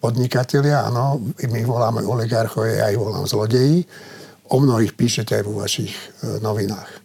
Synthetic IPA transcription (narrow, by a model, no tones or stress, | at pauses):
pɔd̪ɲikacɛlɪaa̰nɔmiʋɔlaːmɛ̰ɔliɡaɾxɔʋɛ̰ja̰iʋɔla̰ːmzlɔɟɛji | ɔmnɔɦiːxpiːʃɛcɛajʋɔʋa̰ʃixnɔʋinaːx